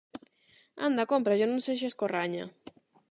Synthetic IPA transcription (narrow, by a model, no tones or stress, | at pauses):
a̰nd̪akompɾaʝononses̬ieskoraɲa̰